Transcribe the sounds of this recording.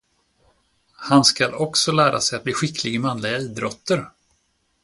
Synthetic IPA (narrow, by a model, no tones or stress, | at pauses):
hanskalɔksɔlæːɾa̰sɛjat̪̚bliːɧɪkʰlɪɡəmanlɪɡaiːd̪ɾɔt̪ːəɾ